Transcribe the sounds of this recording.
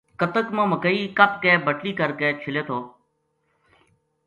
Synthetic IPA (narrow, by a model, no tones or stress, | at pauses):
kət̪əkmãːməkəiːkəp̚keːbʱəʈliːkəɾkeːt͡ʃʰɪleːt̪ʰoː